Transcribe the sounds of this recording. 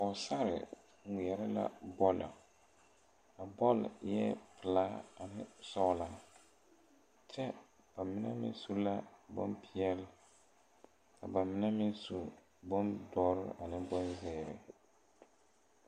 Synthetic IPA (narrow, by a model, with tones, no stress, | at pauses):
ɔ˨sa˦ɾɪ̰˨ | i˨jɛ˨ɾɪ˦la̰˦bɔ˦la̰˨ | a˨bɔ˦ljɛ˦pʰɪ˨la˦a˨nɪ˦sɔ˦la˦ | t͡ʃɛ˦ | b̥a˨mɪ˦na̰˦mɪ̰˦n˦su˦la˦bɔ̰˦npʰi˦ɛ˦l | ka˨ba˨mɪ˦na˦mɪ˦nsu˨ | bɔ˦ndɔː˦ɾɪ˦a˨nɪ˦bɔ˦nzɛː˦˨ɾɪ˨